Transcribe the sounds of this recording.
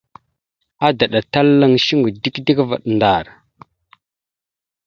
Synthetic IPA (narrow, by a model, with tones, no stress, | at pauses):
a˦da˨ɗa˨ta˦lːa˦ŋʃi˦ŋɡu˨di˦kdi˦kva̰˨ɗnda˨ɾ